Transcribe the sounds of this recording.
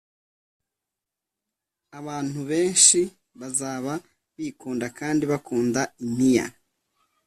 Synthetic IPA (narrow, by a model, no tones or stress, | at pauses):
aβaːn̥huβe̞ːnʃi | βazaːβa | βiːkuːndakaːndiβakuːndaimija̰